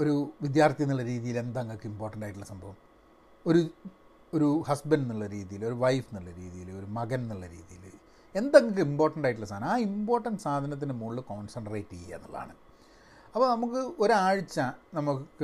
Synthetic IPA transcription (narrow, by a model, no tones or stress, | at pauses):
o̞ɾuʋid̪jaːrt̪ijɐnːɐɭːɐɾiːðijile̞nd̪ɐŋːɐkːɨimbo̞ːrʈːɐɳɖaːjʈːuɭːɐsɐmbʱɐʋum | o̞ɾu | oɾuhɐsbɐnɖinːuɭːɐɾiːðijilo̞ɾuʋɐjfiniɭːɐɾḭːðijilo̞ɾumɐɣɐninːɐɭːɐɾḭːðijil | e̞nd̪ɐŋːɐk̬ːɨimbo̞ːrʈːɐɳɖaːjiʈ̬ːuɭːɐsaːd̪ɳɐaːimboːrʈːɐɳɖɨsaːd̪ʱɐnɐt̪̬ːinɨmuɭːɨko̞ːnsɐɳɖɐreːʈːijḛnːɐɭːa̰ːɳɨ | ɐpːoːnɐmukːɨo̞ɾaːɻit͡ɕːɐnɐmukːɨ